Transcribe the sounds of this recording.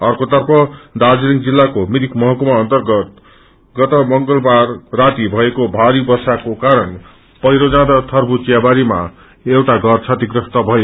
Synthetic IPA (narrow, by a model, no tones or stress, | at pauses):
ʌrkot̪ʌrpʰʌd̪ad͡zliŋɡd͡zilːakomid̪ikmʌɦʌkumaːnt̪ʌrɡʌt̪ | ɡʌt̪ʌmʌŋɡʌlbarːat̪ibʱʌekobʱaɾibʌsakokaɾʌn | pʌjɾod͡zãd̪ʌt̪ʰʌrbut͡sijabaɾima̰ | ewʈaɡʱʌrt͡sʰʌt̪iɡrʌst̪ʌbʱʌje